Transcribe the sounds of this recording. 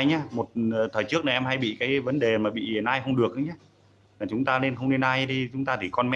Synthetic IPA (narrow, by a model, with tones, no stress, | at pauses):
jɲaː˨˦mo˨˩t̚ːt̪ʰəː˨˩jt͡ɕɨ˦˥ək̚na˨˩ʔɛ˧mha˧jɓḭ˧˨kaː˨˦jvə˨˦nɗe˨˩maː˨˩ɓḭ˧˨˩nʔaː˧jxə˧wŋ͡mɗɨ˨˩ək̚ʔɨ˨˦ɲaː˨˦ | laː˨˩t͡ɕʊ˨˦ŋ͡mt̪aː˧le˧nxə˧wŋ͡mne˧nʔaː˧jɗi˧t͡ɕʊ˨˦ŋ͡mt̪aː˧t̪ʰi˨˩kɔ˧nmɛ˦